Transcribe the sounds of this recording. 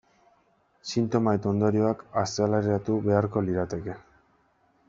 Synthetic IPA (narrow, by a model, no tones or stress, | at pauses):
sint̪o̞maet̪o̞nd̪o̞ɾio̞akast̪ealaɾeat̪uβe̞aɾko̞liɾat̪e̞ke̞